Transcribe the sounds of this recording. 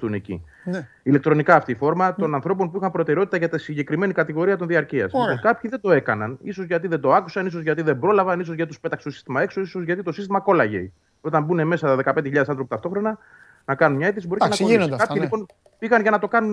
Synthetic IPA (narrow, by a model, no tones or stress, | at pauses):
une̞cḭ | ilekt̪ɾo̞nikɐːft̪ifo̞ɾmɐt̪o̞nɐnθɾo̞p̬o̞npuixɐnpɾo̞t̪eɾeo̞t̪i̥t̪ɐʝɐt̪isiɲɟe̞kɾime̞nikɐt̪iɣo̞ɾiɐt̪o̞nðiɐɾciɐ̰sokɐpçiðe̞d̪o̞e̞kɐnɐnisozʝɐt̪̬iðend̪o̞ɐkusɐnis̬o̞zʝɐt̪iðe̞mbɾo̞lɐvɐnis̬ozʝɐt̪it̪spe̞t̪ɐkst̪osi̥st̪imɐe̞ksoisozʝɐt̪it̪o̞sist̪imɐko̞lɐʝḛj | o̞t̪ɐmbune̞me̞sɐðe̞kɐpend̪eçiʎɐðesɐnθɾoput̪ɐft̪o̞xɾo̞nɐ | nɐkɐnunmɲɐeθisibo̞ɾienɐsnod̪ɐpçilipo̞n | piɣɐnʝɐnɐt̪o̞kɐnun